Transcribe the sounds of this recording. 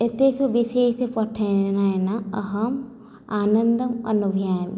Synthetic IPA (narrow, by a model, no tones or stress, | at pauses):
et̪esubiseːsepɐʈʰːɐnajnaɐɦɐm | aːnɐnd̪ɐmɐ̰nubʱjaːjm